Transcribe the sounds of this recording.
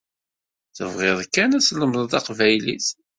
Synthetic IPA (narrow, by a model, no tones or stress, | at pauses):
θə̰vʁɪðˤkːænæsləmðˤðˤɑqvæjlḭθ